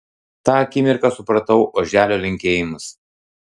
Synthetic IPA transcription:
t̪ɑːɐkʲiːmʲɪɾkɑsʊpɾɐt̪ɐʊʔoːʒʲæːlʲoːlʲɪŋʲkʲeːjɪmʊs

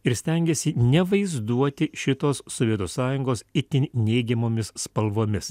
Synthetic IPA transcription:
ɪɾsʲt̪ʲɛŋʲɡʲɛsʲɪnʲɛʋɐɪzd̪uɔt̪ʲɪʃʲɪt̪oːsːɔʋʲiɛt̪uːsɑːjʊŋɡoːsɪt̪ʲɪnʲɛɪɡʲɛmoːmʲɪsːpɐlˠʋoːmʲɪs

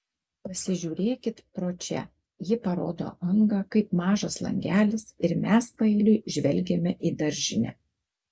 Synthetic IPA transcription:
pɐsʲɪʒʲuːɾʲeːkʲɪt̪pɾoːt͡ʃʲɛ̰ | jɪpɐɾo̰ːd̪o̰ːʔɐŋɡɐkɐɪpmɑːʒɐslˠɐ̰ŋʲɡʲæːlʲɪsɪɾmʲæspɐɪlʲʊɪʒʲʋʲɛlʲɡʲemʲɛʔid̪ɐɾʲʒʲɪnʲɛ̰ː

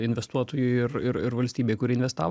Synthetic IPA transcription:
ɪnʲʋʲɛst̪uɔt̪oːjʊɪɪɾɪɾɪɾʋɐlʲsʲt̪ʲiːbʲeːkʊɾʲiːɪnʲʋʲɛst̪ɑ̰ːʋ

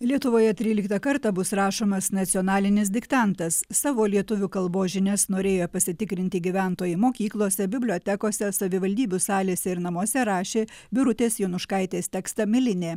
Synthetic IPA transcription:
lʲiɛt̪ʊʋoːjɛt̪ʲɾʲiːlʲɪkt̪ɐkɐɾt̪ɑbʊsɾɑːʃoːmɐsnɐt̪sʲɪɔnɑːlʲɪnʲɪs̬d̪ʲɪkt̪ɑˑnt̪ɐsːɑːʋoːlʲiɛt̪ʊʋʲuːkɐlˠboːʒʲɪnʲɛsnoːɾʲeːjopɐsʲɪt̪ʲɪkɾʲɪnʲt̪ʲɪɡʲiʋʲæˑnt̪oːjɪmoːkʲiːklˠoːsʲɛbʲɪbʲlʲoːt̪ʲɛkoːsʲɛsɐʋʲɪʋɐlʲd̪ʲiːbʲusɑːlʲeːsʲɛɪɾnɐmoɔsʲɛɾɑːʃʲeːbʲɪɾʊt̪ʲeːsjɛʊnʊʃkɐɪt̪ʲeːsʲt̪ʲɛːkst̪ɐmʲɪlʲɪnʲeː

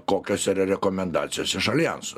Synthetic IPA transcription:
koːkʲɛsiɾɐɾʲɛkɔmʲɛnd̪ɑːt̪sʲɪjɛsɪʃɐlʲɪjɛ̰nsʊ

